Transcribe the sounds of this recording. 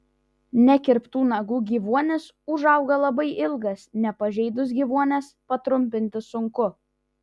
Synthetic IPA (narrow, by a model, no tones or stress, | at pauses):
nʲɛkʲɪɾpt̪uːnɐɡuːɡʲiːʋuɔnʲɪs | ʊʒɐʊɡɐlˠɐbɐɪʔɪlˠɡɐsnʲɛpɐʒʲɛɪd̪ʊs̬ɡʲiːʋuɔnʲɛspɐt̪ɾʊmʲpʲɪnʲt̪ʲɪsʊŋkʊ